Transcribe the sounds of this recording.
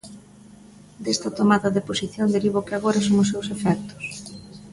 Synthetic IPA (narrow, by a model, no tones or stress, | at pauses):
d̪est̪ɐt̪omaðɐðeposiθjond̪eɾiβokeaɣoɾasoŋʊsewsefɛk̚t̪ʊ̥s